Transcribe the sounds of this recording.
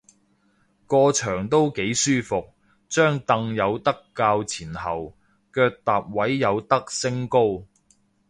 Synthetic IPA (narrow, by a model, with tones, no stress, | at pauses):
kɔː˧t͡ʃʰœː˨˩ŋt̪o˥wke˨˥jsyː˥fʊ˨k̚ | t͡ʃœː˥ŋt̪ɐ˧ŋjɐ˨˧wt̪ɐ˥kːaː˧wt͡sʰiː˨˩nhɐ˨˩w | kœː˧k̚t̪aː˨p̚wɐ˨˥jjɐ˨˧wt̪ɐ˥k̚sɪ˥ŋko˥w